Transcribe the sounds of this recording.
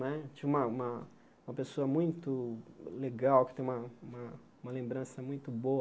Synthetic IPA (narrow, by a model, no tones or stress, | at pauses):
nɛt͡ʃiũmɐũmɐ̃ | mɐpesoɐmũj̃t̪ʊleɡawkɪt̪ẽj̃ũmɐũmɐ | ũmɐlẽmbɾɐ̃sɐmũj̃t̪ʊbo